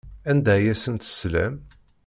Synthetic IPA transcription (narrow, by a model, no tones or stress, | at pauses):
ænd̪æjæsənt̪ə̥slæ̰m